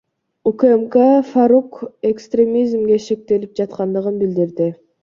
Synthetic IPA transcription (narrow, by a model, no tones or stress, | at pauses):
ukemkafaɾukekst̪rʲe̞mʲizmɡʲe̞ʃe̞k̚t̪e̞lip̚d͡ʒɑt̪qɑnd̪ɯʁɯnbild̪iɾd̪ɪ